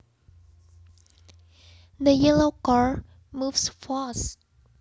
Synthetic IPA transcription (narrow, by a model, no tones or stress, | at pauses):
ðəjɛlokaɹ | muvsfɔs